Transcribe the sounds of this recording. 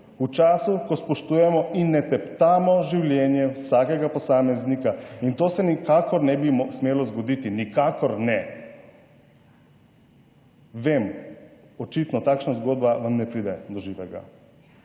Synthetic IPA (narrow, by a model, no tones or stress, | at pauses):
ut͡ʃaːsukospoʃt̪ujɛmɔʔinɛt̪ɛpt̪amɔʒiwljɛnjɛwsaːkeɡaposaːmeznikaint̪oːsɛnikakɔɾnɛbimsmjɛlɔzɡod̪it̪inikakɔɾnɛ | ʋeːm | ot͡ʃit̪nɔt̪akʃnazɡod̪baʋamnɛpɾid̪ɛd̪ɔʒiːʋɛɡa̰